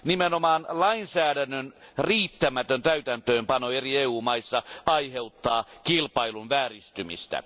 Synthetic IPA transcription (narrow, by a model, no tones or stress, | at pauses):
nimenomɑːnlɑinsæːdænːønriːt̪ːæmæt̪ønt̪æyt̪ænt̪øːmpɑnoerieːuːmɑisːɑɑiheut̪ːɑːkilpɑilunʋæːrist̪ymḭst̪æ̰